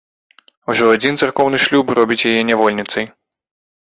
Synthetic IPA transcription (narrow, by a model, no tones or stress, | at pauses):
uʐɔad͡zʲint̪sarkɔwnɨʂlʲuprɔbʲit͡sʲjajɛnʲavɔlʲnʲit̪sɐj